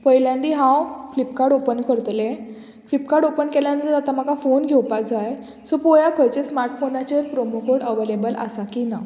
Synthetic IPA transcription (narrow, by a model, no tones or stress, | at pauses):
pəjljãnd̪iɦãwflipkaɾɽopənkəɾt̪lẽ | flipkaɾɽopənkɛljãnd̪əɾat̪am̤akafonɡʱɛwpakd͡zaj | sɔpɔjakʰəjt͡ɕesmaɾʈfonat͡ɕəɾpɾomukoɽəʋelebəlʔa̰sakina